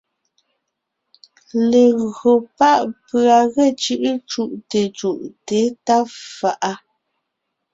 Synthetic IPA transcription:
le˨ɣo˨pa˦ʔpɰa˨ɣɛ˦˨t͡ʃʉ˦ʔt͡ʃu˦ʔte˨t͡ʃu˨ʔte˨˦ta˦fa˨ʔa˦

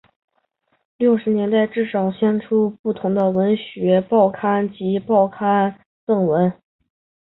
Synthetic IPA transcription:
ljo˥˩ʊʂɻ̩˧˥njɛ˧˥nt̪a˥˧ɪʈ͡ʂɻ̩˥˩ʂɑ˨˩ʊɕjɛ˥nʈ͡ʂʰu˥pu˥˩t̪ʰʊ˧˥ŋd̪ə˧wə˧˥nɕɥɛ˧˥pɑ˥˩ʊkʰa˥nt͡ɕi˧˥pɑ˥˩ʊkʰa˥n | t͡sɤ˥˩ŋwə˧˥n

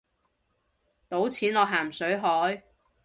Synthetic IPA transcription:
t̪o˨˥wt͡sʰiː˨˥nɔː˨˧ɦaː˨˩msɵ˨˥ɥɦɔː˨˥j

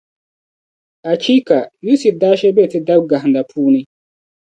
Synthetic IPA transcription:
a˨t͡ʃʰi˦ka˨ju˦si˨da˦ʃɛ˦bɛ˦˨ti˦da˦bɡa˨ɦnda˨pʰuː˦ni˦

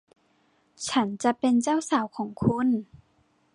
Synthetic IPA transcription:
t͡ɕʰa˦˥nt͡ɕa˧pe˧nt͡ɕaː˥˩˨wsaː˨˩˦wkʰɔː˩˦ŋkʰu˧˥˨n

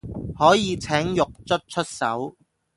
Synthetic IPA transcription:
hɔː˨˥jiː˨˧t͡sʰɛː˨˥ŋjʊ˨k̚t͡sɵ˥t̚t͡ʃʰɵ˥t̚sɐ̰˨˥w

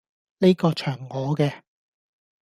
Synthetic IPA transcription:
ne˥jkɔː˧t͡ʃʰœː˨˩ŋːɔː˨˧kɛː˧

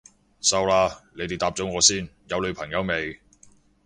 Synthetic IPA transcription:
sɐ˨˧wlaː˧le˨˧jt̪e˨˩t̪aː˨p̚t͡sɔ˨˥ŋɔː˨˧siː˥˩njɐ˨˧wlɵ˨˧ɥpʰɐ˨˩ŋjɐ˨˧wme˨˧j

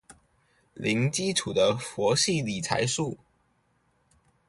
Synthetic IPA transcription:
lʔi˧˥ŋt͡ɕi˥ʈ͡ʂʰu˨˩d̪ə˦fwɔ˧˥ɕi˥˩li˨˩t͡sʰa̰˧˥ɪʂu˥˩

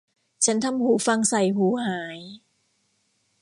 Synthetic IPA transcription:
t͡ɕʰa˦˥nt̪ʰa˧mhuː˩˦fa˧ŋsa˨˩jhuː˩˦haː˩˦j

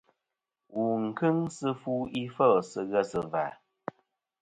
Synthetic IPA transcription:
wu˨ŋ̩˨kɨ˦ŋsɨ˦fuː˦i˦fə˦˨sɨ˧ɣə˦sɨ˨va˨

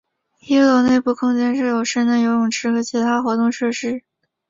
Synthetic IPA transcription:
i˥ɤ˧˥ne˥˧ɪpu˥˩kʰʊ˥ŋt͡ɕjɛ˥nʂɻ̩˥˩jo˨˩ʊʂɻ̩˥nnə˧˩jo˧˥ʊjʊ˨˩ŋʈ͡ʂʰɻ̩˧˥xɤ˧˥t͡ɕʰi˧˥t̪ʰa˥xwɔ˧˥t̪ʊ˥˧ŋʂɤ˥˧ʂɻ̩˥˩

